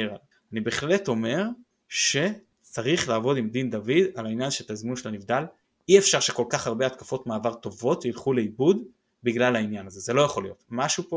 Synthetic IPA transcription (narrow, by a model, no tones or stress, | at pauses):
eʁal | anibeːχle̞to̞me̞ʁ | ʃe̞ | t͡saʁiχlaːvo̞dimd̪ind̪avid̪alainjanʃet̪azmunʃelanivd̪al | iefʃaʁʃe̞ko̞lkaχaʁbeat̪kafo̞tmaːvaʁt̪o̞vo̞t̪jilχule̞ibud | biɡlalainjanaze̞ze̞lo̞jaχo̞lijo̞t̪maʃupo